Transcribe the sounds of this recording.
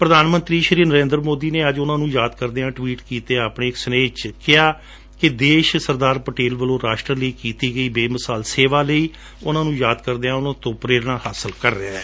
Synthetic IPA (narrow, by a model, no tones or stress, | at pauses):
pɾəd̪aːnmə̃nt̪ɾiːʃəɾiːɾnəɾẽːnd̪ɾmoːd̪iːneːəd͡ʒʊnãːnũːjaːd̪kəɾd̪eːãːʈʋiːʈkiːt̪eːapɳeːɪksəneːt͡ʃkɪaː | kɪd̪eːʃsəɾd̪aːɾpəʈeːlʋəlõːɾaːʃʈɾələiːkiːt̪iːɡəiːbeːməsaːlseːʋaːləiː | ʊnãːnũːjaːd̪kəɾd̪eːãːʊnãːt̪õːpɾeːɾnaːhaːsəlkəɾːɪaːɛː